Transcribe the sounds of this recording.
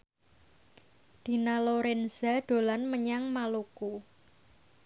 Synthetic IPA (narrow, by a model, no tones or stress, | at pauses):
d̪̥i̤naloɾɛnzaɖ̥o̤lanməɲaŋmaluku